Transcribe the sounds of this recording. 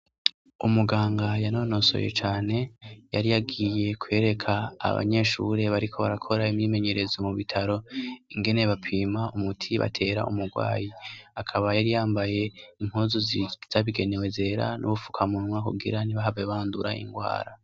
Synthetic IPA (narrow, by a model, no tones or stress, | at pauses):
umuɡaːŋɡajano̞no̞so̰je̞̰t͡ʃaːne̞jaɾijaɡije̞kʰwe̞ːɾe̞kʰa̰ːβa̰ɲe̞ʃṵɾe̞βaɾikʰo̞βa̰ɾakʰo̞ɾaimɲiːme̞ɲe̞ɾʔe̞zomuβitʰaɾo̞iŋɡe̞ne̞βapʰiːmaumutʰiβa̰tʰe̞ɾa̰ʔumuɡwa̰ːjiakʰaβajaɾijaːmbaje̞im̥huːzuziz̥aβiɡe̞newe̞ze̞ɾa̰nʔṵβufu̥kʰamunwakuɡḭɾaniβaɦaveβaːnduɾa̰ḭŋɡwa̰ːɾa